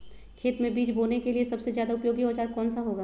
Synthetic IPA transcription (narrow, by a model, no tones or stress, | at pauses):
kʰeːt̪mẽbiːt͡ʃboːnekeliesɐbsezjaːd̪aʊpjoːɡiɔːt͡ʃaːɾkɔːnsaɦoːɡaː